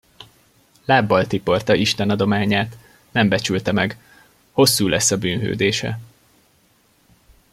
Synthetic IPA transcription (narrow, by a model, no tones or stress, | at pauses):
laːbːɒlt̪ipo̞rt̪ɒiʃt̪ɛnɒd̪o̞maːɲaːt̪ | nɛmbɛt͡ʃylt̪ɛmɛɡ | ho̞sːuːlʔɛsːɒbyːnɦø̰ːd̪eːʃɛ̰